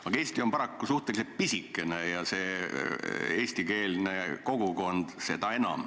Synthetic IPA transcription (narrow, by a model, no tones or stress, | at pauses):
ɑɡɑe̞ːsʲt̪io̞mpɑɾɑkːˑusuht̪ekiset̪̚pisikːˑe̞nejɑse̞ː | eːsʲt̪ike̞ːlne̞ko̞ɡ̥uko̞nd̪̥se̞d̪̥ɑe̞nɑ̰m